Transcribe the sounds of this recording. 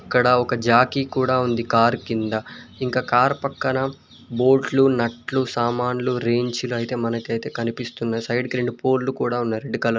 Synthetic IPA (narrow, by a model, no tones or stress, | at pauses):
ɐkːɐɽɐɔkɐd͡ʒaːkikuːɽaːund̪ikaːɾkind̪ɐiŋkaːkaːɾpɐkːɐnɐ | bo̞ːʈlunɐʈlusaːmaːnluɾe̞ːɲt͡ʃuluɐjit̪e̞ːmɐnɐkɐjt̪e̞ːkɐnipist̪unːaːjusɐjɖkiɾeɳɖupoːɾlukuːɽaːunːɐɾe̞ɖːikɐlɐ